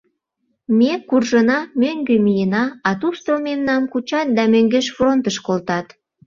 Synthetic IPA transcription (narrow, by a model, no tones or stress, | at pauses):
mʲekurʒənɑmøŋɡømijənɑɑt̪ust̪olmemnɑmkut͡ɕɑt̪̚d̪ɑmøŋɡeʃfront̪əʃkolt̪ɑt̪